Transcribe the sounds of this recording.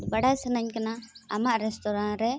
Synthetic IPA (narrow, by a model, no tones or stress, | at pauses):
bəɽajsənəɲkanaamaʔɾɛstɔɾanɾɛ